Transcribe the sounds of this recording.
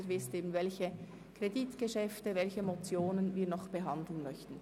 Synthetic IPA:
ɾvɪsteːbn̩vɛlçə | kʁ̥editɡ̥əʃɛftəvɛlçəmot͡sjoːnənviːnɔχb̥əɦɑndl̩n̩mœçtn̩

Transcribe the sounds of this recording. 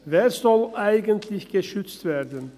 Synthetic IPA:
veːsɔlʔaɪɡənt̪ʰlɪçɡ̥əʃʏt͡st̪veːɾd̪ən

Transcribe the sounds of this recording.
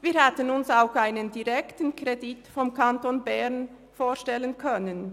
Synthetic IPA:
viːɐhɛtənʊnsaʊxʔaɪnəndiʁɛktn̩kʁ̥editfɔmkʰantonbɛʁn | foːɐʃtɛlənkʰœnən

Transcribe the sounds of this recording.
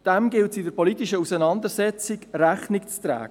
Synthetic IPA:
d̥ɛmɡɪltsidəɾpɔlit̪iʃəusənɑnd̪əɾsɛt͡sɪkɾæχnɪkt͡st̪ɾæ̰ːɡ

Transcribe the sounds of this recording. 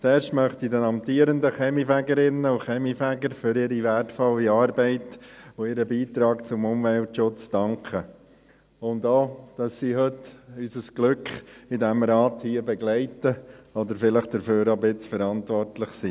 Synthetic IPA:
t͡sɛːɾʃtmœχtidɛnɑmt̪iːəɾəndəχɛmifæɡəɾɪnəʊχɛmifæɡəɾfʏɾɪɾiʋærtfɔlːiɑːɾbɛɪtoɪɾəbiːt̪ɾɑːkt͡sʊmʊmʋɛltʃʊt͡sd̥ɑŋkχə | ʊndoːd̥ɑssiːhøtysəsɡ̥lʏkχɪdɛmɾɑːthiəbɛɡlɛɪtəɔd̪əɾfɪləχd̥̪əɾføːɾɑbɪt͡sfəɾɑntʋɔrtlɪχsiː

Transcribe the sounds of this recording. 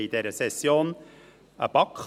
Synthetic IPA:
id̪eːɾəsɛsjuːn | əbɑkʰ

